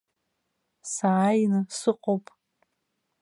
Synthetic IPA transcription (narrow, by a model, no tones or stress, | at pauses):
saːjnɨsɨqʼowpʼ